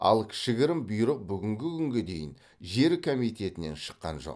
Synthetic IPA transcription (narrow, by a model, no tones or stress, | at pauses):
ɑ̰lˠkʲʰɪ̥ʃɪɡʲɪɾɪmbʊjɾəq̚bʏɡʲɪŋɡʲɪkʲʰʏŋɡʲe̞d̪e̞jɪn | ʒe̞ɾkʰomijt̪e̞t̪ɪne̞̰nʃə̥qːɑ̰nʒo̞̰q